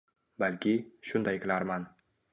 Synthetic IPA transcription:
balkʲɪʃʊnd̪ajkʲʰɪlaɾman

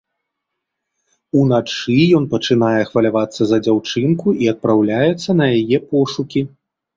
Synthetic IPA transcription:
unat͡ʂɨjɔnpɐt͡ʂɨnajɛxvɐlʲavat̪sːɐzɐd͡zʲawt͡ʂɨnkuʔiɐt̪̚pɾawlʲajɛt̪sːɐnɐjajɛpɔʂukʲi

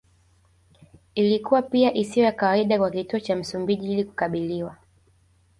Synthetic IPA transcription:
ilikuwapiaʔisijɔjakawaiɗakwakituɔt͡ʃam̩sumbiʄiiliku̥kaɓiliwa

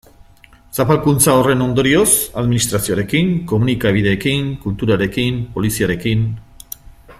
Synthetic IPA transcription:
sapalkunt͡sao̞re̞no̞nd̪o̞ɾio̞saðminist̪ɾasio̞aɾe̞kiŋko̞munikaβ̞ið̞e̞ːkiŋkult̪uɾaɾe̞kimpo̞lisiaɾe̞kin

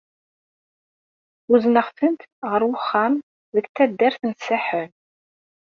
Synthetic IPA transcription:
uznəχθənt̪ʁəɾwʊχːæm | ðəkt̪ːæd̪ːæɾθənsːaħən

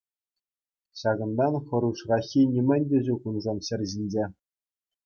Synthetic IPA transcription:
ɕɑɡɤ̆nd̪ɑnχɤ̆ɾuʂrɑxʲinʲimʲɘ̆nʲdʲĕʑukunzɑmɕɘ̆rʲʑinʲd͡ʑe

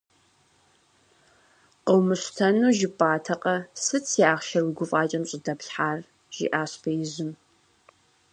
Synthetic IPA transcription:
qəwmɨɕtʰɐnuːʒɪpʼaːtʰɐqʼɐsɨt͡sʰjaːʁʃɐrwiɡʷʊfʼaːt͡ʃʼɐmɕʼɪdɐpɬħaːr | ʒ̥ḭʔaːɕbʰɐjɪzɪm

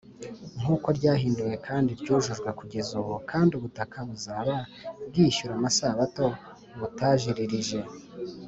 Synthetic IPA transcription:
ŋ̥uːko̞ɾɟaːɦiːnduje̞kʰaːndiɾɟuːʒuʒɡwekuɟe̞zuβukʰaːndiuβutakʰaβuzaβaβɡiçuɾamasaβato̞ | βutaʒiɾiɾiʒe̞

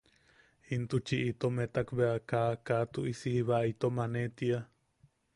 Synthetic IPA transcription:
int̪ut͡ʃiʔit̪omet̪akbeakakat̪uʔisiiβait̪omanet̪ia

